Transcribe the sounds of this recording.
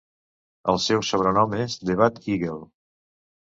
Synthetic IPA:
əlˠsɛwsoβ̞ɾənɔmezd̪eβ̞at̪iɣelˠ

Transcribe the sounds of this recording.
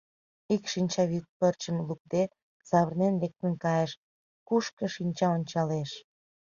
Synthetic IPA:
ikʃinʲt͡ɕɑβyt̪̚pərt͡ɕəmluk̚d̪e | sɑβərnenβek̚t̪ənkɑjəʃ | kuʃkə̆ʃinʲt͡ɕɑonʲt͡ɕɑleʃ

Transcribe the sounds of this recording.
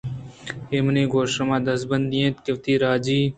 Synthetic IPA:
eːməniːɡoːʃɐmãːd̪ɐsbɐnd̪d̪ijẽːt̪kɪʋt̪iːɾaːd͡ʒiː

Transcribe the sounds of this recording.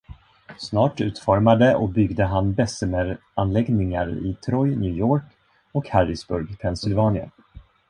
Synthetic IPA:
snɑːʈʉ̟ːt̪fɔɾmad̪əʔɔbʏɡd̪əɦanbɛsəmɛɾ | anlɛɡnɪŋaɾɪ̰t̪ʰɾɔjnjʉ̟ːjoːɾk | ɔkhaɾɪsbɵɾɡpʰɛnsɪlvɑːnɪə̰

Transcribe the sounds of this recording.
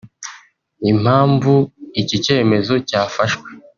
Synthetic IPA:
im̥haːɱvuicice̞ːme̞zo̞caːfaʃwe

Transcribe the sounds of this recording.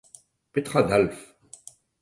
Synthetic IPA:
pet̪χad̪alf

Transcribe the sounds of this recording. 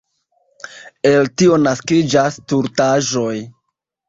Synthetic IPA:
e̞ltio̞naskid͡ʒastuɾtaʒo̞j

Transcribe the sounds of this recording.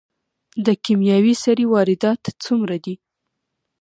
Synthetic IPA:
d̪əkimjɑwisaɾiwɑɾɪd̪ɑt̪t͡sumɾad̪i

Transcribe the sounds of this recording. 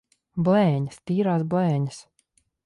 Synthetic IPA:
blɛːɲast̪iːɾaːsblɛːɲəs

